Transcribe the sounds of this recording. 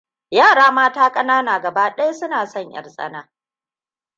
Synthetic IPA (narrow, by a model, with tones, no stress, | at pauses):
jaː˦˨ɽaː˦maː˦taː˦kʼɐ˦naː˦naː˨ɡɐ˨baː˦ɗɐ˦jsʊ˦naː˨sɔ˦˨ɲjɐ̰˨rsʼɐ̰˦naː˦